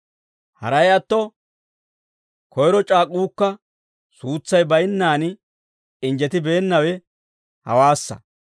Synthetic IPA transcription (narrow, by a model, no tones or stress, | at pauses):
hɐ̰ɾɐjɐt̪ːɔ | kɔjɾɔt͡ʃʼaːkʼːuːkːɐ | suːt͡sːɐjbɐjɪnːaːn | ɪnd͡ʒɛt̪ɪbe̞ːnːɐwɛ | hɐ̰waːsːɐ̰